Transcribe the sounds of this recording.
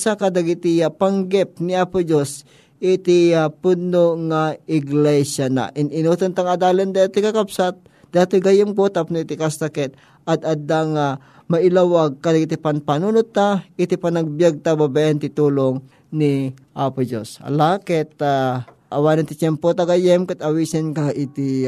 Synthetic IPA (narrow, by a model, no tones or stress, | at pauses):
sakad̪aɡɪt̪ɪjapaŋɡɛp̚niapʊd͡ʒos | ʔɪt̪ɪapʊd̪̚noŋaɪɡlɛsana̰ʔɪnɪnut̪ɐnt̪aŋɐd̪aːlɪnd̪aat̪ːɪkakapsat̪̚ | d̪̥at̪ʊɡajʊmkot̪apnʊit̪ɪkast̪akɛt̪̚ | ɐt̪̚ɐd̪aŋa | mɐʔɪlawaɡ̚kad̪aɡɪt̪ɪpanpanunʊt̪ːaɪt̪ɪpanɐɡ̚bjaɡ̚t̪ababaʔɛnt̪ɪt̪uːloŋ | niʔapʊd͡ʒosha̰lakɛt̪̚ːa | ʔɐwanɪnt̪ɪt͡ʃɛmpot̪aɡajɛmkat̪ɐwisɪnkaʔit̪ɪ